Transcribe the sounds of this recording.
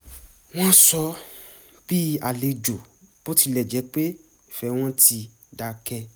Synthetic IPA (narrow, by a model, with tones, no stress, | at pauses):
w̃ɔ̃˦sɔ˧˦ | b̥i˦a˨le˨˧d͡ʒo˨b̥o˦ti˧lɛ˨d͡ʒɛ˨˦k͡pe˦˨ | fɛ˨˦w̃ɔ̃˦ti˧ | da˨˧kɛ˧